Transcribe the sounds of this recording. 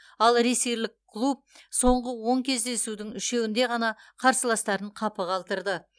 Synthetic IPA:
ɑlˠɾeseɾlɪkʰːlˠup̚so̞ɴʁəwo̞ŋkʲʰe̞zd̪e̞sud̪ɪŋʏʃe̞wɪnd̪e̞ʁɑnɑqʰɑɾsəlˠɑst̪ɑɾəɴqʰɑpəʁʰɑlˠt̪əɾd̪ə

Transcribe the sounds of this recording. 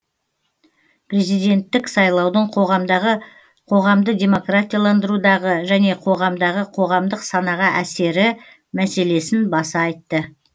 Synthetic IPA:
pre̞zijd̪e̞nt̪ːɪksɑjlˠɑwd̪əɴqʰo̞ʁɑmd̪ɑʁə | qʰo̞ʁɑmd̪əd̪ʲe̞mo̞krat̪ʲijalˠɑnd̪əɾud̪ɑʁəʒæne̞qʰo̞ʁɑmd̪ɑʁəqʰo̞ʁɑmd̪əqsɑnɑʁɑʔæse̞ɾɪ | mæse̞le̞sɪnbɑsɑɑjt̪ːə

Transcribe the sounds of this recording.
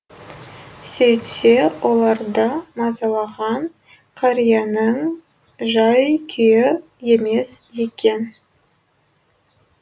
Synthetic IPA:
sejt̪se̞wʔolˠɑɾd̪əmɑzɑlˠɑʁɑn | qʰɑɾijɑnəŋ | ʒɑjkʲʰʏjɪ | je̞me̞sje̞kʲe̞n

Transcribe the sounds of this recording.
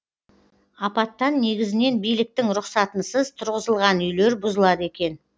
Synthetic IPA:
ɑpɑt̪ːɑnːe̞ɡʲɪzɪne̞nbijlɪk̚t̪ɪŋɾʊqsɑt̪ənsəzt̪ʰʊɾʁəzəlˠʁɑnʏjle̞ɾbʊzəlˠɑd̪e̞kʲe̞n

